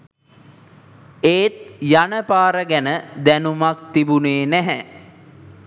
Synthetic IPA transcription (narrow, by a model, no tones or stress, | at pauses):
eːt̪̚janəpaːɾəɡænəd̪ænumak̚t̪ibuneːnæɦɛ